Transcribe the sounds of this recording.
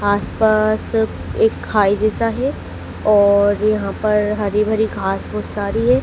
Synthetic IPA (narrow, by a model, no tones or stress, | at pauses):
aːspaːs | eːkʰːaːid͡ʒɛːsaɦɛ | ɔːɾjɐɦãpɐɾɦɐɾibʱɐɾiɡʱaːsbʊsaːɾiɦɛː